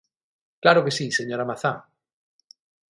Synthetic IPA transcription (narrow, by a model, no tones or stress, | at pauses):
klaɾokesiseɲoɾamaθa